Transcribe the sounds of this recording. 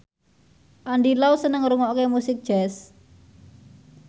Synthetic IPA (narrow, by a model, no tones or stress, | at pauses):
ʔaɳɖilausənəŋɾuŋɔkemusɪk̚d̥ʒ̥ɛs